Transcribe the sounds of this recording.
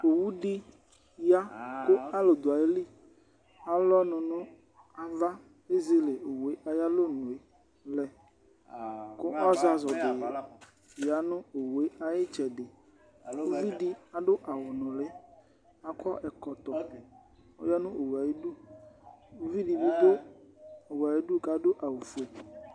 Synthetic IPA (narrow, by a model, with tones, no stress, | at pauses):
o˨wu˦ɖi˦ | ja˦ko˦a˦lo˨d̪o˨a˨je˦li˦ | a˨lɔ˦nɔ̃˨nũ˦ | a˨va˦ | e˦zi˦le˨o˨we˦ʔa˨ja˦lo˦nuũ˨e˨ | lɛ˨ | ko˦a˦za˨zɔ˨d̪e˨je˨ | ja˦nũ˦o˨we˦a˦je˦t͡ʃɛ˨ɖe˨ | o˦vi˦ɖi˦a˨ɖo˦ʔa˨wʊ˨nʊ̃˨le˦ | a˨kʰɔ˦ʔɛ˨kɔ˨t̪ɔ˨ | o̰˦ja˦nʊ̃˦ʔo˨wu˨a˨je˦ɖu˦ | o˦vi˦ɖi˨bu˦b̪o˦ | o˨wa˨je˦ɖu˦ka˨do˦ʔa˨wo˨fu˦e˨